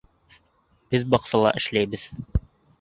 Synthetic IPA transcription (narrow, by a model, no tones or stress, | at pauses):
b̥ɘðbɑqsɑlˠɑ̰ʔɘ̆ʃlæjbɘð